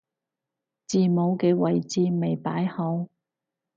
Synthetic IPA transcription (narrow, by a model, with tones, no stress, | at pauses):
t͡siː˨mo˨˧wkɛː˧wɐ˨jt͡siː˧me˨jpaː˨˥jhɐ˨˧˥w